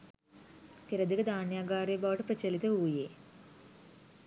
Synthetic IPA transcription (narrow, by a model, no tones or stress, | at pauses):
p̪iɾɐd̪iɡɐd̪aːnjaːɡaːɾebaʋɐʈɨprɐt͡ɕɐlit̪ɨuːjeː